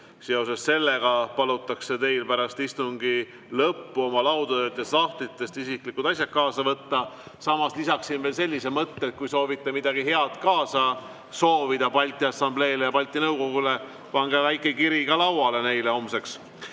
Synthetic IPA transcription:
se̞o̞sesse̞lːe̞ɡɑpɑlut̪ːˑɑkse̞t̪e̞jlpæɾɑst̪ist̪uŋɡ̥i | lɤpːuo̞mɑlɑwd̪ot̪jɑsɑht̪lit̪ːˑe̞st̪isiklikːut̪ɑsʲjɑt̪̚kɑːsɑvɤt̪ːɑsɑmɑslisɑksinvelse̞lʲːisemɤt̪ːeːt̪̚kujso̞ːvit̪ːˑemid̪̥ɑɡ̥iɦe̞ɑt̪kɑːsɑ | so̞ːvid̪̥ɑpɑlʲt̪ːˑiɑsːɑmble̞ːlejɑpɑlʲt̪ːˑinɤwko̞ɡ̥ule̞ | pɑŋɡ̥evæjkːˑe̞kiɾiɡɑlɑwɑle̞ne̞jleo̞mse̞ks

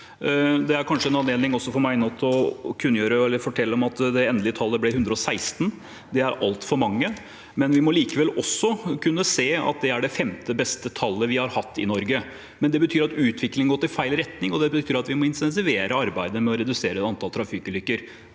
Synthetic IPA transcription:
d̪ɛæɾkʰɑnʂəɛnɑneːlnɪŋɔsːɔfɔɾmæɪnɔt̪ʰːɔkʰʉnjøːɾəɛlːəɾfɔʈʰɛlːəɔmɑt̪d̪ɛɛnd̪lɪət̪ʰɑlːəblɪhʉnd̪ɾəɔsæɪst̪n̩ | d̪ɛæɾɑ̰lt̪fɔɾmɑŋːə | mɛnʋɪmɔliːkəʋɛlːɔsːɔkʰʉnːəseːɑ̰t̪̚d̪ɛæɖɛfɛmt̪əbɛst̪ət̪ʰɑlːəʋɪhɑɾhɑt̪ʰːɪ̰nɔɾɡə | mɛnd̪ɛbət̪ʰyːɾɑt̪ʉːt̪ʰʋɪklɪŋəɡɔt̪ːɪlfæɪlɾɛt̪nɪŋɔd̪ɛbət̪ʰyːɾɑt̪ʋɪmɔɪnsɛns̬ɪʋeːɾʔəɑɾbæɪd̪əmɛɔɾɛd̪ʉseːɾəɛt̪ɑnt̪ʰɑlt̪ʰɾɑfɪkːəlʏkːəɾ

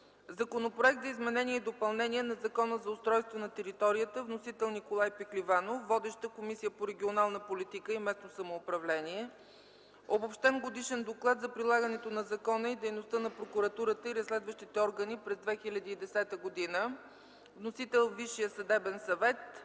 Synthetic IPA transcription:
zɐkonopɾoɛk̚t̪zɐizmɛnɛniɛid̪opɐlˠnɛniɛnɐzɐkɔnəzɐʊst̪ɾɔjst̪vonɐt̪ɛɾit̪ɔɾijət̪əvnosit̪ɛlˠnikolˠajpiklivanofːɔd̪ɛʃt̪əkomisijəpoɾɛɡʲionalˠnəpolit̪ikəimɛsnosɐmoːpɾɐvlɛniɛ | obopʃt̪ɛmɡod̪iʃɛnd̪oklˠat̪zɐpɾilˠaɡənɛt̪onɐzɐkɔnəid̪ɛjnost̪ənɐpɾokuɾɐt̪uɾət̪əiɾɐslʲɛd̪vəʃt̪it̪ɛɔɾɡənipɾɛzd̪vɛxilʲɐd̪iːd̪ɛsɛt̪əɡod̪inə | vnosit̪ɛlˠviʃijəsɐd̪ɛbɛnsɐvɛt̪̚

